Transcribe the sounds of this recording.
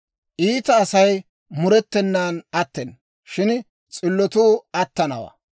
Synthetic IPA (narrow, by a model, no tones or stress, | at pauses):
ʔiːt̪ɐːsɐj | mʊɾɛt̪ːɛnːaːnɐt̪ːɛn | ʃɪn | t͡sʼɪlːɔt̪uːɐt̪ːɐnɐ̰wa̰ː